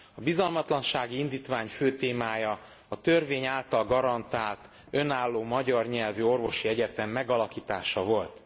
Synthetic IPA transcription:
ɒbizɒlmɒt̪lɒnʃaːɡiind̪iːt̪ʋaːɲføːt̪eːmaːjɒ | ɒt̪ørveːɲaːlt̪ɒlɡɒɾɒnt̪aːlt̪ | ø̞naːlːoːmɒɟɒrɲɛlvyo̞rvo̞ʃiɛɟɛt̪ɛmːɛɡɒlɒkiːt̪aːʃɒvo̞lt̪

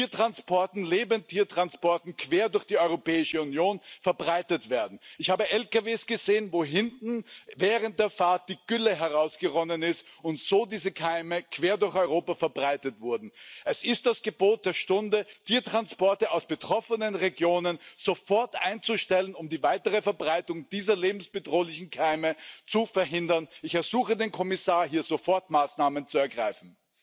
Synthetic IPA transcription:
iːɐtʁ̥anspʰɔɐtn̩leːbəntʰiːɐtʁ̥anspɔɐtn̩kʰv̥eːɐdʊɐçd̥iːɔʏʁopɛːɪʃəunjoːnfɛɐbʁaɪtətv̥eːɐdn̩ɪçhaːbəʔɛlkaveːsɡ̥əzeːənvoːɦɪntn̩vɛːʁənt̚d̥eːɐfaɐt̚d̥iːɡ̥ʏləɦɛɐʁaʊsɡ̥əʁɔnənɪstʊntz̥oːdiːzəkʰaɪməkʰv̥eːɐdʊɐçɔʏʁoːpafɛɐbʁaɪtətv̥ʊɐdn̩ʔɛsɪst̚d̥asɡ̥əboːt̚d̥eːɐʃtʊndətʰiːɐtʁ̥anspɔɐtəaʊsb̥ətʁ̥ɔfənənʁeɡjoːnənz̥ofɔɐtʔaɪnt͡suʃtɛlənʊmdiːvaɪtəʁəfɛɐbʁaɪtʊŋd̥iːzɐleːbm̩sb̥ədʁoːlɪçn̩kʰaɪmət͡sufɛɐɦɪndɐnɪçɛɐzuːxədeːnkʰɔmɪsaːɐɦiːɐzofɔɐtmaːsnaːmənt͡suɛɐɡʁaɪfn̩

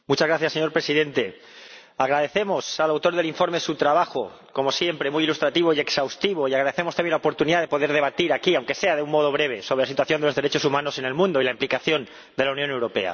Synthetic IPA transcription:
mut͡ʃazɣɾaθjasːe̞ɲo̞ɾpɾe̞siðe̞nt̪e̞ | aɣ̞ɾaðe̞θe̞mo̞salawt̪o̞ɾðeliɱfo̞ɾmesut̪ɾaβaxo̞ | ko̞mo̞sje̞mpɾe̞mujilust̪ɾat̪iβo̞ie̞ksawst̪iβ̞o̞iaɣɾaðe̞θe̞most̪amjelopo̞ɾt̪uniðaðe̞po̞ðe̞ɾð̞e̞βat̪iɾakiawŋke̞se̞að̞e̞ummo̞ð̞o̞β̞ɾe̞β̞e̞soβɾelasit̪waθjo̞nd̪eo̞zðeɾe̞t͡ʃo̞sumãno̞se̞ne̞lmũnd̪o̞ilaimplikaθjo̞n | d̪e̞launjõne̞wɾo̞pe̞̰a̰

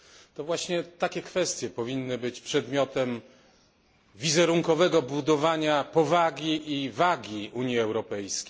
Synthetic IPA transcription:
t̪ɔvwaɕɲɛt̪akʲɛkfɛst̪ʲjɛpɔvʲinːɘbɘt͡ɕpʂɛd̪mʲjɔt̪ɛm | vʲizɛɾuŋkɔvɛɡɔbud̪ɔvaɲapɔvaɡʲiʔivaɡʲiʔuɲjiɛwɾɔpɛjskʲej

